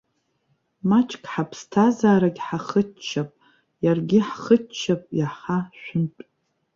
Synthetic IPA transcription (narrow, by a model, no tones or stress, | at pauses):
mat͡ʃʼkʲʼħapʰstʰazaːɾaɡʲħaχət͡ʃʰːapʼ | jarɡʲɪħχət͡ʃʰːapʼjaħaʃᶣʷʊntʼ